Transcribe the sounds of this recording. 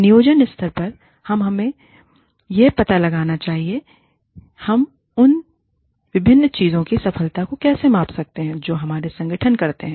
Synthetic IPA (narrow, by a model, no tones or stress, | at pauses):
nɪjoːd͡ʒənɪst̪ʰəɾpɐɾ | hɐmɦɐmẽ | jepɐt̪alɐɡaːnat͡ʃaːɦie | hɐm | ʊn | ʋɪbʱɪnːt͡ʃiːzõkisɐfəlt̪akokɛːsemãːpsɐk̚t̪eɦɛ̃d͡ʒoːɦɐmaːɾesɐ̃ŋɡəʈʰənkɐɾt̪eɦɛ̃ː